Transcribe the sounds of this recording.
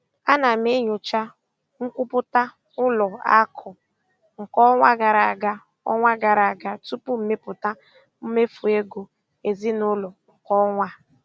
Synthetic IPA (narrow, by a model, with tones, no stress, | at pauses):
a˦na˨m˦e˦ɲʊ˨t͡ʃa˦ | ŋ̩˦kʷʊ˦pʊ˦ta˦ | ʊ˦lɔ˨a̰˦kʰʊ˨ | ŋ̩˨kɔ˦ŋʷa˦ɡa˨ɾa˨a˨ɡa˦ | ɔ̰˦ŋʷa˦ɡa˨ɾa˨a˨ɡa˦tu˦pu˦m̩˨me˦pʊ˨ta˦ | m̩˦me˦fu˨e˦ɡo˨ | e˨zi˦nʊ˦lɔ˨ŋ̩˨kɔ˦ŋʷa˦